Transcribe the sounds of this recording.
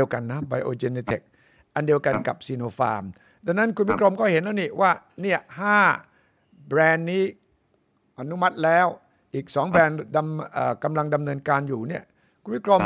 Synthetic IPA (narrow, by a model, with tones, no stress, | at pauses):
əwka˧nːa˦˥ba˧jʔoː˧t͡ɕe˧ne˧t̪ʰe˨˩k̚ | ʔa˧ndi˧əwka˧nka˨˩p̚siː˧noː˧faː˧m | da˧nːa˦˥nkʰu˧nwi˦˥kʰɾo˧mkʰɔː˥˩he˩˦nlːniː˥˩wʔaː˥˩ni˥˩ɐhaː˥˩ | bɾɛː˧nːiː˦˥ | ʔa˧nu˦˥ma˦˥t̪̚lɛː˦˥w | ʔiː˨˩k̚sɔː˩˦ŋbɛː˧nda˧mʔəː˨˩ka˧mla˧ŋda˧mnɤː˧nkaː˧njuː˨˩ni˥˩ɐ | kʰu˧nwi˥kʰɾo˧m